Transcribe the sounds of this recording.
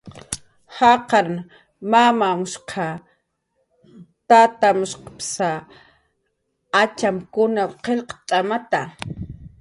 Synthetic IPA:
hɑqɑɾ | mamamʊʃqʰɑ | t̪at̪amʊʃqɑ̥psa | at͡ʃamkʊnawqelqɑ̥t͡ʃ̪ʼamat̪a

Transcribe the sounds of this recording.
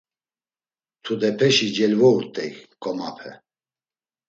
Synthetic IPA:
t̪ʰud̪ɛpʰɛʃid͡ʒɛlvɔut̪ʼɛ̰kkʼɔmapʰɛ

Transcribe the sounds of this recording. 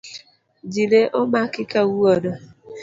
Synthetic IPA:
d͡ʒileʔʊmakɪkawuɔdɔ

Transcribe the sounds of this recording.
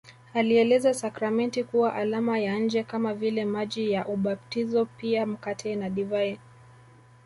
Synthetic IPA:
aliɛlɛzasakɾamɛntikuwaʔalamajan̩d͡ʒɛkamavilɛmaʄijaʔuɓaptizɔpiam̩katʰɛnaɗivai

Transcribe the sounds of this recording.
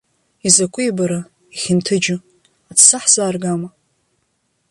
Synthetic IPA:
izakʷʰʼʊjbaɾa | iχʲɪntʰɨd͡ʒʊ | atʰsaħzaːrɡama

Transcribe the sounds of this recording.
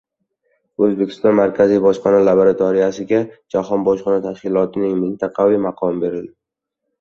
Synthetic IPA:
ɵzbe̞kʲɪ̥st̪ɒnmaɾkʲʰazijbɒʃqɒnalabaɾat̪ʰɒɾɪjasɪɡʲad͡ʒaɦɒnbɒʃqɒnat̪ʰaʃkʲɪlˠɒt̪ʰɪnɪŋmɪnt̪ʰɑqʰɑvɪmaqʰɒmbe̞ɾɪld̪ɪ

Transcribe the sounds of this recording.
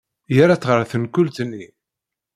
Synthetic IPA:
jaɾat͡sːʁəɾˤθənkʊlt̪nːi

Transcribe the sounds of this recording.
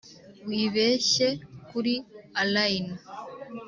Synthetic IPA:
wiːβe̞ːʃe̞kuɾialajna

